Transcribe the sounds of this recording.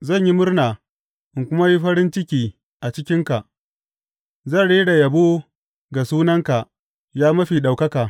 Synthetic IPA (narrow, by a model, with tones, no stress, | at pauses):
zɐ˦˨ɲji˦mʊ˦rnaː˨ | ʔɪ˨ŋkʷʊ˦ma˦ji˦ɸɐ˦ɾɪ˦nt͡ʃɪ˦kʲiː˨ | ʔa˨t͡ʃɪ˦kʲɪ˦ŋka˨ʔ | zɐ˦˨nɽeː˦ɽa˨jɐ˨bo˦ | ɡa˨suː˦nɐ˦ŋka˨ | jaː˦mɐ˦ɸiː˨ɗa˨wkɐ˦kaː˨